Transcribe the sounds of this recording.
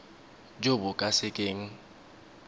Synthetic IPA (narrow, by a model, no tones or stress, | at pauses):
d͡ʒobʊkʼasɪkʼeːŋ̩